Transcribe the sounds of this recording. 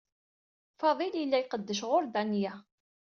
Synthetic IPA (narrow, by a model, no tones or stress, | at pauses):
fɑðˤiljəlːæjqəd̪ːəʃ̬ʁʊɾd̪ænjæ